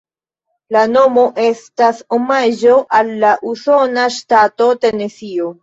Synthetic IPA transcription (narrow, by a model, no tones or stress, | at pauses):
lano̞mo̞ʔe̞stasomaʒo̞ʔalːaʔuso̞naʃtato̞tenesio